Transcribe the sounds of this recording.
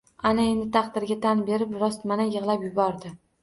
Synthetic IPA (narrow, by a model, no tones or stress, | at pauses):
anae̞nd̪ɪt̪ʰɑqd̪ɪɾɡʲat̪ʰanbe̞ɾɪpɾɒst̪manajɨʁlˠapjʊbɒɾd̪ɪ